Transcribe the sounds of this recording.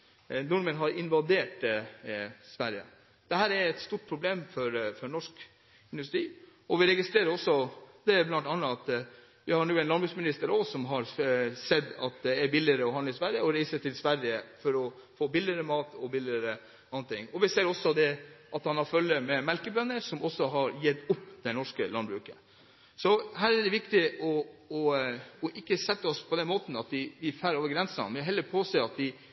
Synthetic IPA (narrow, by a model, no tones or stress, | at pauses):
nʊɾmənɦɑɾɪnʋɑd̪eːʈ | sʋæɾjə̰ | d̪̥ɛɦhæːɾæɾɛt̪st̪uːʈ̚pʰɾʊbleːmfɔɾfɔɳɔʂk | ɪnd̪ʉst̪ɾiːɔʋɪɾɛɡɪst̪ɾeːɾəɾɔsːɔd̪ɛblɑnt̪ɑnːəɑt̪ | ʋɪhɑɳʉːɛnlɑnbʉːsmɪnɪst̪əɾɔsɔmɦɑɾsɛd̪ːɑt̪̚d̪ɛæɾbɪlɪəɾəɔhɑnəɪsʋæɾjəɔɾæɪsət̪ʰɪlsʋæɾjəfɔɾɔfoːbɪlɪəɾəmɑːt̪ʰɔbɪlɪɾə | ɑnːət̪ʰɪŋːɔʋɪseːɾɔsɔd̪ɛʔɑt̪hɑnhɑɾfœlːəmɛmɛlkəbœnːəɾʂɔmɔsːɔɦɑɾjɛd̪ʊpːd̪̥ɛnɔʂkəlɑnbɾʉːkə | sɔɦæːɾæɖ̪ɛʋɪkt̪ɪɔɔɔʔɪkːəsɛt̪ːəɔspʰɔd̪ɛnmoːt̪n̩ɑt̪d̪ɪʋɪfæːɾoːʋəɾɡɾɛnsɑ̰nmɛɦɛlːəɾpʰoːseːɑt̪̚d̪ɪ